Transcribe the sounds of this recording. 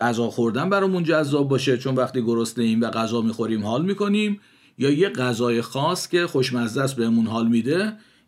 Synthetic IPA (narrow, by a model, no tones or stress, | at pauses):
æzɒːxoɾd̪ænbæɾɒːmund͡ʒæzːɒːb̚ːɒːʃe̞t͡ʃʰo̞nvæxt̪iːɡoɾost̪eiːmvæɣæzɒːmiːxo̞ɾiːmhɒːlmiːko̞nim | jɒːjeɢæzɒːje̞xɒːscʲe̞xoʃmæzd̪æsbe̞hemunɦɒːlmiːd̪e̞